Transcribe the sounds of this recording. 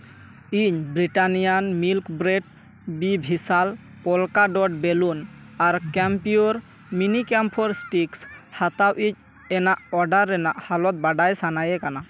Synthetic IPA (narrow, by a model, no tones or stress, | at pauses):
iɲbɾiʈanijanmilkbɾeʈ̚ | bibʱisal | pɔlkaɖɔɖ̚belun | aɾkɛmpiuɾ | minikɛmpʰɔɾsʈikshat̪awʔic̚ | ɛnaʔɔɖaɾːɛnaʔhalɔt̪̚baɖajsanajɛkana